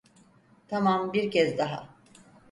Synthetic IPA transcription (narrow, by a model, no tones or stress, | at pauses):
t̪ʰamambiɾcʰɛzd̪aɦa̰